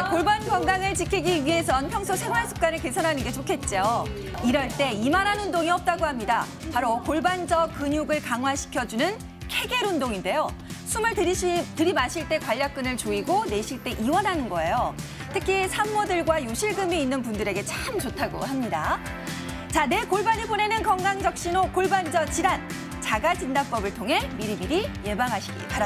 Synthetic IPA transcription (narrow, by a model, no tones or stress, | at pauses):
koɭbanɡwaŋɡaŋɯɭt͡ɕikʰiɡiɥiɦe̞s̬ʰʌnpʰjʌŋsʰosʰamːaɭs͈ʰu̥p̚k͈anɯɭke̞sʰʌnɦanɯnɡe̞t͡ɕokʰe̞t̚t͡ɕ͈oo | iɾʌɭt͈e̞imananɸundoŋiʌp̚t͈aɡohamɲida̰ | paɾokoɭband͡ʑʌk̚k͈ːɯɲuɡɯɭkaŋɦwaɕʰi̥kʰjʌd͡ʑunɯn | kʰe̞ɡeɾundoŋinde̞josʰumɯɭttɯɾimaɕʰiɭt͈e̞kwaʎːak̚k͈ɯnɯɭt͡ɕoiɡone̞ɕʰiɭt͈e̞ʔiwʌnɦanɯnɡʌe̞jo | tʰɯkʰisʰamːodɯɭɡwajuɕʰiɭɡɯmiinːɯnpundɯɾe̞ɡe̞t͡ɕʰamt͡ɕotʰaɡo̰ɦamɲida̰ | t͡ɕane̞koɭbaɲibone̞nɯnkʌŋɡaŋd͡ʑʌk̚ɕ͈inokoɭband͡ʑʌt͡ɕidan | t͡ɕaɡad͡ʑindak̚p͈ʌbɯɭtʰoŋɦe̞miɾimiɾije̞baŋɦaɕʰi̥ɡḭpaɾa